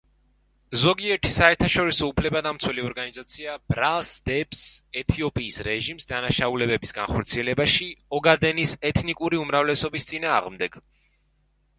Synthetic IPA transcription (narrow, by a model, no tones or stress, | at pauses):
zɔɡiɛɾt̪ʰi̥saɛɾt̪ʰaʃɔɾisɔupʰlɛbad̪amt̪sʰwɛliɔɾɡanizat̪sʰiabɾalˠsd̪̥ɛpsɛt̪ʰiɔpʼiːsɾɛʒimsd̪anaʃaulɛbɛbisɡa̰nχɔɾt̪sʰiɛlɛbaʃiɔɡad̪ɛnisɛt̪ʰnikʼuɾiumɾavlɛsɔbist̪sʼinaːʁmd̪ɛɡ̥